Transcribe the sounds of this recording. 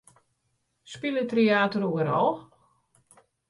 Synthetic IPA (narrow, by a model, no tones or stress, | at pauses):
spilətreaːtəruəɾɔlˠ